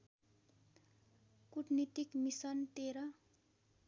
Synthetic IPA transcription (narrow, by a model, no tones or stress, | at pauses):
kuʈnit̪ikmisʌnt̪eɾʌ